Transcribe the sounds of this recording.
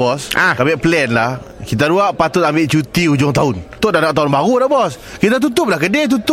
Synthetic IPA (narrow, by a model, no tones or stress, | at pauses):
bɔsakabɛʔplɛnlahkit̪aɾuaʔpat̪ʊt̪̚ambɪʔt͡ʃut̪iud͡ʒʊŋt̪aʊnt̪ʊʔdanaʔ̚t̪aʊnbaɣudaʔbɔs | kit̪at̪̬ut̪ʊp̚lahkədɛt̪̬ut̪̚